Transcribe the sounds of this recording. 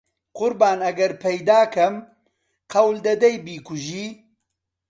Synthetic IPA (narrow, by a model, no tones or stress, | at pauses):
qʊɾbaːnɐɡɐɾpʰɐjd̪aːkʰɐm | qɐwld̪ɐd̪ɐjbiːkʰuʒiː